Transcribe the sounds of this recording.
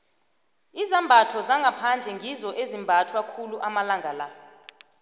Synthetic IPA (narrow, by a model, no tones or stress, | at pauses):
izambʱatʰɔzaŋɡʱapʰand͡ɮʱɛŋʱizɔʔezimbʱatʰwakʰuluʔamalaŋɡʱala